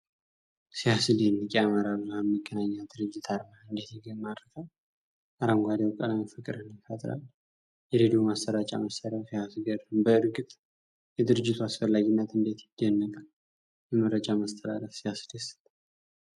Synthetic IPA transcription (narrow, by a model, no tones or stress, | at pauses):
sihasɨdenːɨkʼiamaɾaβlamːəɡːənaɲːad̪ɨɾɨd͡ʒːɪt̪ʰaɾmaɨnd̪et̪jɛɡəmad̪ɾəfal | ʔaɾamɡʷad̪ewkʼəlamfɨkʼɨɾɨnjɪfət̪ʼɾa̰l | jɛɾed̪omast̪əɾat͡ʃʼa̰masəɾəfijasɡəɾɨmbəɨɾɡɨt̪ʼ | jɛd̪ɨɾɨd͡ʒːɪt̪ʰuasfəlːaɡinːət̪ɨnd̪et̪jɪd̪ənːəkʼal | jɛməɾəd͡ʒamast̪ʰəd̪a̰ləfsihasɨd̪esə̥t̪ʼː